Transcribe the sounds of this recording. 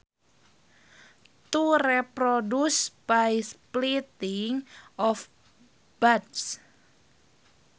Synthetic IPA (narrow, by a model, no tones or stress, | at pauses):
t̪urɛpɾodusb̥ajsplit̪ɪŋɔf | b̥ads